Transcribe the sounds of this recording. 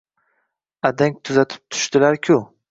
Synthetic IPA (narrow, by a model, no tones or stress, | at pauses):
ad̪aŋ̚ʲt̪ʰʊzat̪ʰɪ̥p̚t̪ʰʊ̥ʃt̪ɪlaɾkʲʰʊ